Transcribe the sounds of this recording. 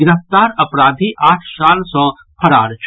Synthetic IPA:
ɪɾəft̪aːɾɐpɾaːd̪ʱiʔaːʈʰsaːlsɔ | pʰɐɾa̰ːɾt͡ʃʰ

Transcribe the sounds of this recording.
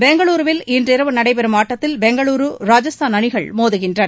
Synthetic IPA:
bɛŋɡɐɭuːɾʋɪlɪndrɪɾɐʋɯnɐɽɐɪpɛɾɯmaːʈːɐt̪ːɪlbɛŋɡɐɭuːɾɯɾaːd͡ʒɐst̪ʰaːnɐɳɪɣɐɭmoːðɯɣɪndrɐɾ

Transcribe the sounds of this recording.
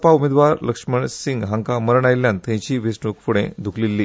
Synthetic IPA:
paumed̪ʋaɾləkʂməɳsiŋɡɦãŋkaməɾəɳajljant̪ẽt͡ɕiːʋisɳukfuɽḛ̃d̪ʱukʰlilːi

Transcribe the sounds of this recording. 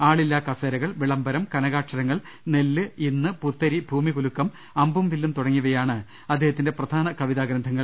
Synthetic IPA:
aːɭilːakɐseːɾɐɣɐɭʋiɭɐmbɐɾɐmkɐnɐɣaːʈʂɐɾɐŋːɐɭ | ne̞lːɨinːɨput̪ːɐɾibʱuːmikulukːɐm | ɐmbumʋilːumt̪uɽɐŋːuɣɐjaːɳɨ | ɐd̪ːeːhɐt̪ːinde̞prɐd̪ʱaːnɐkɐʋiðaːɡɾɐnd̪ʱɐŋːɐɭ

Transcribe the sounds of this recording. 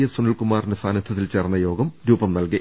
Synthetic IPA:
jɐsunɐɭkumaːrinesaːnɐt̪ʰːɐt̪ːilt͡ɕeːrnːɐjo̞ːɡɐmɾuːbɐmnɐlki

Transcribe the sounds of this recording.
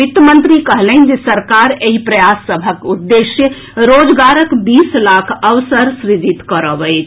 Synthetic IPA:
it̪əmənt̪ɾikəɦlɛnd͡ʒesəɾkaɾeɦipɾəjasːəbʱəkud̪ːesjə | ɾod͡ʒɡaɾəkbislakʰəʋsəɾsɾid͡ʒit̪kəɾəʋəɪt͡ʃʰ

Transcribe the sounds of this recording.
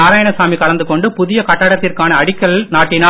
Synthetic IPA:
aːɾaːjɐɳɐsaːmikɐlɐnd̪ɯkɔɳɖɯpʊðɪjɐkɐʈːɐːɽɐt̪ːɪrkaːnɐːɽɪkːɐlnaːʈːɪnaː

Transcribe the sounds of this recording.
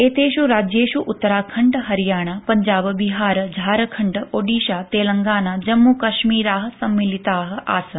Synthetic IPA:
eːt̪eːʃuɾaːd͡ʒjeːʃuʔʊt̪ːɐɾaːkʰɐɳɖɦɐɾijaːɳ̃apɐɲd͡ʒaːbbiɦaːɾd͡ʒʱaːɾɐkʰɐɳɖoːɖiːʃaːt̪eːlɐŋɡaːnad͡ʒɐmːuːkɐʃmiːɾaːɦəsɐmːilit̪aːɦɐ̆a̰ːsɐ

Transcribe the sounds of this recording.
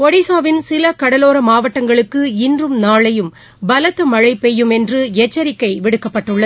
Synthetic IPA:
pɔɽisaːʋɪnsɪlɐkɐɽɐloːɾɐmaːʋɐʈːɐŋɡɐɭɯkːɯɪndrɯmnaːɭɐjɯm | bɐlɐt̪ːɐmɐɻɐɪpːɛjɯmɛndrɯɛt͡ʃːɐɾɪkːɐɪʋɪɽɯkːɐpːɐʈːɯɭːɐð

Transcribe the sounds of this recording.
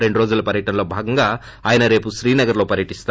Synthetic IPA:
ɾe̞ɳɖuɾoːd͡ʒulɐpɐɾjɐʈɐnɐlo̞ːbʱaːɡɐŋɡaː | aːjɐnɐɾe̞ːpuʃɾiːnɐɡɐɾlo̞ːpɐɾjɐʈist̪ː

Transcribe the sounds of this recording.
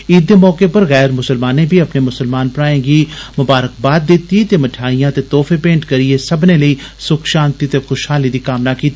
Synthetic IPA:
iːd̪emɔːkepɐɾɣɛːɾmʊsəlmaːnẽbʱiɐpnemʊsəlmaːnpɽaːẽːɡimʊbaːɾək̚baːt̪̚d̪ɪt̪it̪emɐʈʰaːijãt̪et̪ɔːfʰepẽːɳʈkɐɾiesɐbneləiː | sʊkʰʃãːnt̪it̪exʊʃhaːlid̪iːkaːmnakiːt̪i

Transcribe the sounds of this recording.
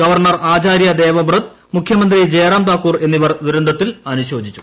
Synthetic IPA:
ɡɐʋɐrɳɐraːt͡ɕaːɾjɐd̪eːʋɐbrɐd̪ | mukʰjɐmɐnd̪rid͡ʑeːɾaːmt̪aːkːuːre̞nːiʋɐrd̪uɾund̪ʱɐt̪ːilɐnuɕo̞ːd͡ʑit͡ɕːu̥

